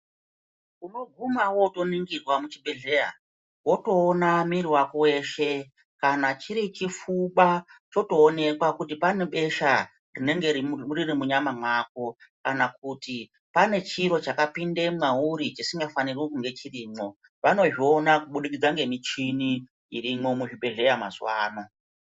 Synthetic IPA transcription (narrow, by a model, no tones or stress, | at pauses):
uno̞ɡʱumawo̞to̞niŋɡirwamut͡ʃiɓeɮeja̰ | wo̞to̞ːnamiɾiwakowe̞ʃe̞ | kanat͡ʃiɾit͡ʃifuɓat͡ʃo̞to̞ːne̞kwakutipane̞ɓe̞ʃa | rine̞ŋɡeiuririmuɲamamwak̚o̞kanak̚uti | pane̞t͡ʃiɾo̞t͡ʃakapinde̞mwaɦuɾit͡ʃisiŋɡafanirwokuŋɡe̞t͡ʃiriːmo̞ | ʋano̞ʐionakuɓuɗik̬id͡zaŋɡe̞mit͡ʃiniː | rimo̞muʐiɓe̞ɮe̞jama̰zwa̰ːno̞